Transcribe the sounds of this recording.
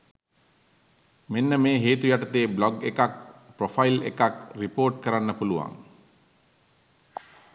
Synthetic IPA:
menːəmeːɦeːt̪ujaʈət̪eːblɔɡekak̚profajilḛkakripoːrʈkəɾanːəpuluʋa̰ŋ

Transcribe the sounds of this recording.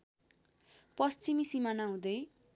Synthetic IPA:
pʌst͡simisimanaɦũd̪ʌj

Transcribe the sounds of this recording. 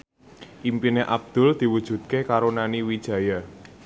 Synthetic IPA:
ʔimpineʔab̚d̪̥ʊ̤ld̪̥i̤wud̥ʒ̥ṳt̪̚kekaɾonaniwid̥ʒ̥ä̤ja

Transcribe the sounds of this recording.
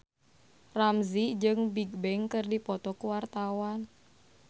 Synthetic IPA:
ramzid͡ʒɨŋbiɡ̚bɛŋkɨrdipɔt̪ɔkuwart̪awan

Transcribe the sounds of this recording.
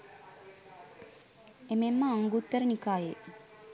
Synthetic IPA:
ememːəːŋɡut̪ːəɾənikaːje

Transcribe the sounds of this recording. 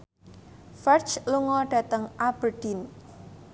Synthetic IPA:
fɛrt͡ʃluŋɔɖ̥ä̤t̪əŋʔab̥ərd̥in

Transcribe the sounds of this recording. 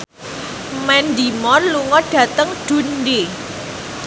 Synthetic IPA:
mɛnd̪imɔnluŋɔɖ̥ä̤t̪əŋɖ̥ṳnde

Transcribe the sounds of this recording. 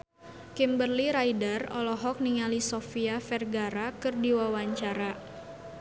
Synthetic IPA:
kimbərliɾajdərɔ̰lɔɦɔk̚niŋalisofiafɛrɡaɾakɨrdiwawaɲt͡ʃaɾa

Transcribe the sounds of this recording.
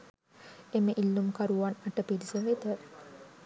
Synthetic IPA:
eməʔilːumkaɾuʋanaʈəpiɾisəʋet̪ə

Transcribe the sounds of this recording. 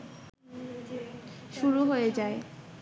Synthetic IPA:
ʃuɾuɦoed͡ʑae

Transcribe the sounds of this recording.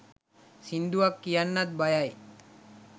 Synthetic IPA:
sind̪uakːijanːat̪̚bajaj

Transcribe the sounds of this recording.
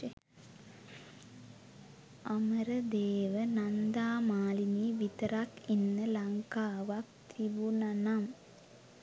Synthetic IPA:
ɐmɐɾɐd̪eːʋɐnɐnd̪aːmaːliniʋit̪ɐɾakinːɐlɐŋkaːʋak̚t̪ibunɐnam

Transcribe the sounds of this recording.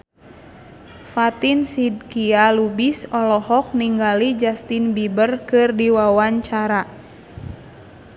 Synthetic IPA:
fat̪insid̚kialubisɔlɔhɔk̚niŋɡalid͡ʒast̪inbibərkɨrdiwawaɲt͡ʃaɾa

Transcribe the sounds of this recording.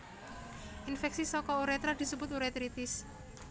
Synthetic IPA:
ʔinfɛksisɔkɔuɾɛt̪ɾad̪̥i̤subʊt̪uɾɛt̪ɾit̪ɪs

